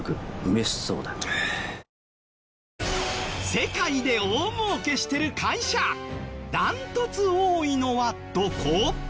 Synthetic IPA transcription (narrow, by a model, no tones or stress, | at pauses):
kɯ̟ɯ̟mesɨ̥so̰ːd̪a | se̞kaid̪e̞oːmoːke̞ɕi̥t̪e̞ɾɯ̟kʰaiɕad̪ãnt̪o̞t͡sɨoːino̞βat̪okʰoː